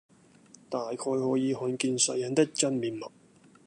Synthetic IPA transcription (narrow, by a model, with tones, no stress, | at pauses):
t̪aː˨jkʰɔː˧jhɔː˨˥jiː˨˧hɔː˨˧nkiː˧nsɐ˨˧jɐ˨˥nt̪ɪ˥k̚t͡sɐ˥nmiː˨nmɐ˨˩t̚